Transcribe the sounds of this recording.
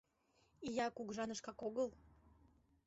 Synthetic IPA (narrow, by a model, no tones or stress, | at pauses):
ijɑkukʒɑnəʃkɑkoɣəl